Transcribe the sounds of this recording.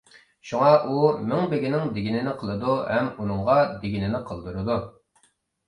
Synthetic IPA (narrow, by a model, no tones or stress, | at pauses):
ʃuŋɑʔumɪŋbɪɡʲinɪŋd̪ɪɡʲinɪnɪqʰəlˠɨd̪uhɛmunɨŋʁɑd̪eɡʲɪnɪnɪqʰəlˠd̪uɾɨd̪u